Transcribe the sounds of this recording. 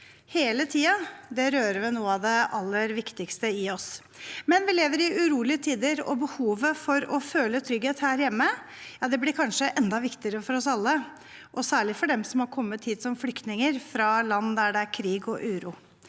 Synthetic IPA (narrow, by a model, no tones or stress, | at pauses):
heːlət̪ʰiːɑd̪ɛɾøːɾəʋɪnuːəɑʋd̪ɛɑlːəɾʋɪkt̪ɪkst̪əɪɔs | mɛnʋɪleːʋəɾɪʉɾuːlɪət̪ʰiːd̪əɾɔ̰bəhuːʋəfɔɾɔføːlət̪ʰɾʏɡheːt̪hæːɾjɛmːə | jɑːd̪ɛblɪɾkʰɑnʂəʔɛnd̪ɑʋɪkt̪ɪəɾəfɔɾɔsɑlːə | ʔɔsæːɭɪfɔɖɛmsɔmhɑɾkʰɔmːət̪ʰːiːd̪sɔmflʏkt̪nɪŋəɾfɾɑlɑnːd̪æɖɛæɾkʰɾiːɡɔʔʉːɾṵː